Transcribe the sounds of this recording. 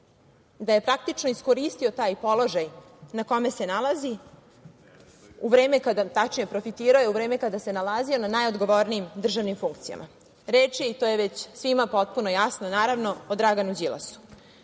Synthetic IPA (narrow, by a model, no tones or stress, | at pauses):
d̪aje̞pɾak̚t̪it͡ʃnoisko̞ɾist̪io̞t̪aːjpo̞lo̞ʒaj | nako̞me̞se̞nalazi | uʋɾe̞ːmekad̪at̪at͡ʃniepɾo̞fit̪iːɾaojeuvɾe̞ːmekad̪ase̞nalazio̞nanajo̞d̪ɡo̞ʋo̞ɾniimd̪r̩ʒaʋnimfuŋkt̪sija̰mʔa̰ | ɾeːt͡ʂjeit̪o̞ːje̞ʋet͡ɕsʋimapo̞t̪̚puno̞jasnonaːɾaʋno̞od̪ɾaɡanud͡ʑila̰su̥